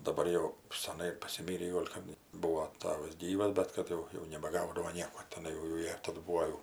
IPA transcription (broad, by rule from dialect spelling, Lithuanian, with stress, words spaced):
dɐˈbɐr jɛʊ sʲɛˈnɐɪ pɐsʲɪˈmʲiːrʲiː ˈɡoːlʲ kɐp ˈbuɔ ˈtɑːʋɐs ˈɡʲiːʋɐs ˈbʲɛt kɐt jɛʊ jɛʊ nʲɛbɐˈɡɐʊdɐʋoː ˈnʲiɛkoː tʲɛˈnɐɪ jɛʊ jɛʊ ˈjiɛ ˈtɑːdʊ ˈbuːoː jɛʊ